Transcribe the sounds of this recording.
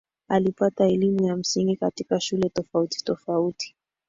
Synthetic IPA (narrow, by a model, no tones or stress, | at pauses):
alipataɛlimujam̩siŋɡikatikaʃulɛtɔfauti̥tɔfauti̥